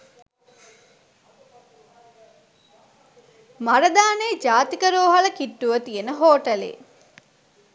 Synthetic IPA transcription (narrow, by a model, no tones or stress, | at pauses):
maɾɐd̪aːned͡ʒaːt̪ikəɾoːɦɐlɐkiʈːuʋət̪ijenəɦoːʈɐlḛː